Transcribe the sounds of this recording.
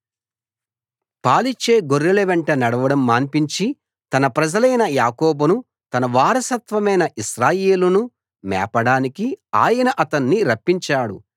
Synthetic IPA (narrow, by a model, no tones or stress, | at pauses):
paːlit͡ʃe̞ːɡoɾːeleʋeɳʈɐnɐɽɐʋɐɽɐmːaːnpiɲt͡ʃi | t̪ɐnɐpɾɐd͡ʒɐlɐjnɐjaːkɔːbɐnu | t̪ɐnɐʋaːɾɐsɐt̪ʋɐmɐjnɐʔiʃɾaːjeːlunu | mɛ̰ːpɐɽaːnikia̰ːjɐnɐʔɐt̪ɐnːiɾɐpːiɲt͡ʃaːɽṵ